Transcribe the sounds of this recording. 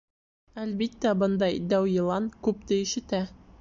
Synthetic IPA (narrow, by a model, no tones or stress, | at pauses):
ælbit̪ːæbɤnd̪ɑjd̪æwjɤ̆lˠɑnkʉp̚t̪ɘ̆iʃɘ̆t̪æ